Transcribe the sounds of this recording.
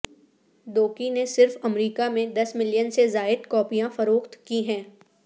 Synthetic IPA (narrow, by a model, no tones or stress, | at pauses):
d̪oːkinesɪɾfɐmɾiːkamẽd̪ɐsmɪlijənsezaːɪd̪kɔːpijãfɐɾoːkt̪kiɦɛ̃ː